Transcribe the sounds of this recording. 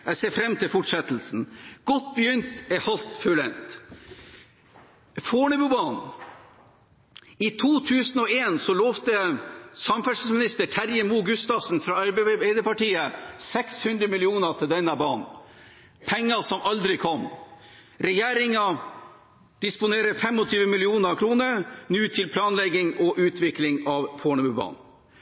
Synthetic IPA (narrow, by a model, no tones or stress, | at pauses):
æɪseːfɾɛmt̪ʰɪlfʊʈʂɛt̪lsn̩ɡ̥ɔt̪̚ːbjʏnt̪ɛhɑlt̪fʉlɛnt̪ | foːlɛbʉbɑːn | it̪ʰuːt̪ʰʉːsn̩ɔeːnsɔloːʋt̪əsɑmfɛʂ̩smɪnɪst̪əʈʰæɾjəmuːɡʉst̪ɑːsn̩fɾɑɑɾbebeɪd̪əpɑʈiːəsɛkshʉnd̪ɾəmɪlɪuːnət̪ʰɪld̪ɛnːɑbɑːnn̩ | pʰɛŋːɑsɔmʔɑld̪ɾɪkʰɔm | ɾɛjeːɾɪŋɑ | d̪̥ɪspʊneːɾəfɛmɔt̪ʰyːʋəmɪlɪuːnəkʰɾuːnəɾnjʉːt̪ʰɪlpʰlɑːnlɛɡɪŋɔʔʉːt̪ʰʋɪklɪŋɑʋpʰoːɳəbʉbɑ̰ːn